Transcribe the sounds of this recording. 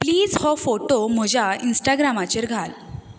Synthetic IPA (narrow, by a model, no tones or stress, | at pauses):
pliːd͡zhɔfoʈom̤əd͡ʑʱainsʈaɡɾamat͡ɕeɾɡʱal